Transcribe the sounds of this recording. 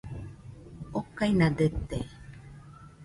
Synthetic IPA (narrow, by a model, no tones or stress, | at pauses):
okajnadət̪e